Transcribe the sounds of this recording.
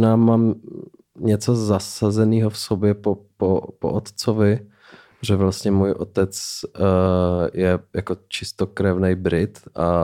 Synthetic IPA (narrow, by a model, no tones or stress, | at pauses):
naːmaːm | ɲɛt͡sozasazɛniːɦofsobjɛpopopoʔot̪t͡sovɪ | ʒɛvlast̪ɲɛmuːjʔo̰t̪ɛt͡s | jɛjakot͡ʃɪst̪okɾɛvnɛjbɾɪt̪ʔa